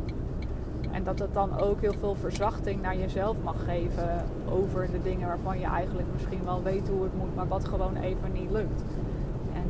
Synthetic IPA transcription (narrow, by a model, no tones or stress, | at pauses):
ʔɛ̰ndɑtət̚dɑnowkɦɪːlˠvɪːlˠvəɹzɑχtɪŋnaːɹjəzɛlˠfmɑχːejvə | ʔowvəɹdədɪŋənʋaːɹvɑnjəʔɛ̰jχənləkmɪsχinʋɛlˠʋejtɦuətmutmaːɹʋɑtχəʋownʔḛjvənitlɵk̚t | ʔɛn